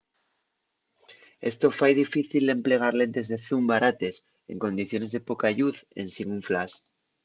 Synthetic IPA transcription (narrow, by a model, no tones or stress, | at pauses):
e̞st̪o̞fajðifiθild̪e̞mple̞ɣ̞aɾle̞nt̪e̞zðe̞θumbaɾat̪e̞s | e̞̰ŋko̞nd̪iθjo̞ne̞zðe̞po̞kaʝuθe̞̰nsiɣuɱflas